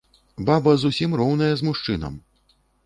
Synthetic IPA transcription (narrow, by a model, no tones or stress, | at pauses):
babɐzusʲimrɔwnɐjɛzmuʂt͡ʂɨnɐ̰m